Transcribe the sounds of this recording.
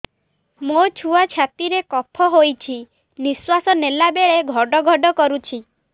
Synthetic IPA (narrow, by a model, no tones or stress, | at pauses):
mot͡ʃʰuat͡ʃʰat̪iɾekɔpʰɔɦojt͡ʃʰi | niswasɔnelabeɭeɡʱɔɖɔɡʱɔɖɔkɔɾut͡ʃʰi